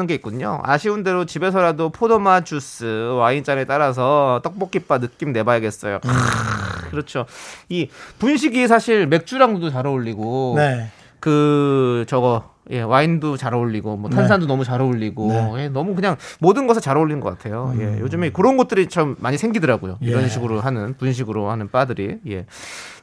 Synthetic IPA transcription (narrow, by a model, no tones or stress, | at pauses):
ɯnɡeik̚k͈uɲo̰a̰ɕʰiunde̞ɾot͡ɕibe̞s̬ʰʌɾadopʰodomat͡ɕus͈ɯwaint͡ɕ͈anet͈aɾas̬ʰʌt͈ʌk̚p͈ʌk͈ip͈anɯk͈imne̞bajʌɡe̞s͈ʌ̰jo̰ | kɯɾʌt͡ɕʰoipunɕ̬ʰiɡisʰaɕʰiɭme̞k̚t͡ɕ͈uɾaŋdodot͡ɕaɾaoʎːiɡoe | kɯt͡ɕʌɡʌje̞waindot͡ɕaɾaoʎːiɡomwʌtʰansʰandonʌmut͡ɕaɾaoʎːiɡojenʌmukɯɲaŋmodɯnɡʌsʰɯt͡ɕaɾaoɭːinɯnɡʌk͈atʰe̞joje̞jod͡ʑɯmekɯɾʌnɡʌt̚t͈ɯɾit͡ɕamːaɲisʰe̞ŋɡidɯɾaɡojoiɾʌnɕʰiɡɯɾoɦanɯnpunɕ̬ʰiɡɯɾohanɯnp͈adɯɾije̞̰